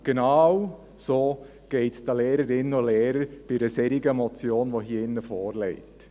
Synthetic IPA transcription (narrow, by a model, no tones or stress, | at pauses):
ɡ̥enɑw | soː | ɡ̥ɛɪtsd̥ɑleːɾəɾɪnːəoleːɾəɾb̥ɪdəsɛɾiɡəmɔt͡sjoːnʋoɦiːəɪnːəfoːɾlɛɪt